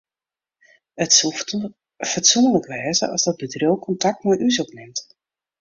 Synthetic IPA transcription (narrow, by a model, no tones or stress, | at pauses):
ət | fətsunələkəʋɛːzə̰ʔɑ̰zdɔt̚bədrowkɔntɑk̚tmɛjʔysɔpnɪmt